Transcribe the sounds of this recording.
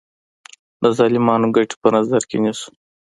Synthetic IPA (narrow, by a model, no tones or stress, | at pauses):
d̪əzɑːlɪmɑːnoɡaʈi̥pənazaɾkenisu̥